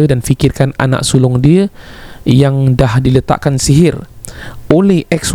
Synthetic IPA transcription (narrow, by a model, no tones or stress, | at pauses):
ədanfikirkana̰na̰ʔsulɔŋdiə | jaŋdahdilət̪a̰ʔkansiɦɪr | olɛhʔɛks